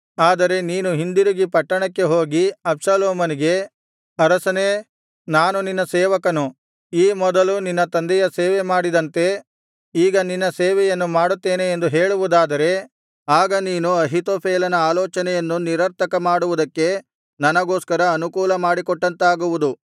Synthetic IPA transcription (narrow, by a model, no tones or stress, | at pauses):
aːd̪ɐɾe̞niːnuɦind̪iɾiɡipɐʈːɐɳɐkːe̞ɦoːɡiɐbsɐloːmɐniɡe̞ | ɐɾɐsɐne | naːnuninːɐsɛːʋɐkɐnu | iːmɔd̪ɐluninːɐt̪ɐnd̪ɛjɐseːʋɛmaːɽid̪ɐnt̪e̞ | iːɡɐninːɐseːʋɛjɐnːumaːɽut̪ːeːneːnd̪uɦeːɭuʋud̪aːd̪ɐɾe̞ | aːɡɐniːnuɐɦit̪oːpʰeːlɐnɐaːlɔːt͡ʃɐnɛjɐnːuniɾɐɾt̪ʰɐkɐmaːɽuʋud̪ɐkːe̞ | nɐnɐɡoːskɐɾɐːnukuːlɐmaːɽikɔʈːɐnt̪aːɡuʋud̪u